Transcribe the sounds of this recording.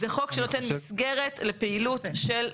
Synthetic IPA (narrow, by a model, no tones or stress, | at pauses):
zeχo̞kʃenot̪enmisɡe̞ʁe̞t̪lepeilutʃel